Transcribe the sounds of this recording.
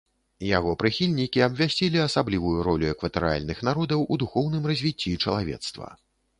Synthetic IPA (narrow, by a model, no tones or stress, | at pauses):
jaɣɔpɾɨxʲilʲnʲikʲiɐbvʲasʲt͡sʲilʲiɐsablʲivujuɾɔlʲuɛkvɐt̪ɛɾɨa̰lʲnɨxnaɾɔd̪ɐwʔud̪uxɔwnɨmrɐzʲvʲit͡sʲːit͡ʂɐlˠavʲɛ̰t̪st̪vɐ̰